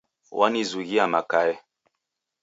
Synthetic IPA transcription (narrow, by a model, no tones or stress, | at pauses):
wʔanizuɣiamakaɛ